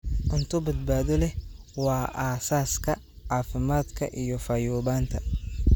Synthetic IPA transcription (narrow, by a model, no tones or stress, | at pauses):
ʔʊnt̪ʰʊbɐd̪̚baːðɔlɛ | wɑːʔaːsaːskʰɐ | aːfɪmaːd̪kʰɐ̰ʔijɔfaːjuːβaːnt̪ʰɐ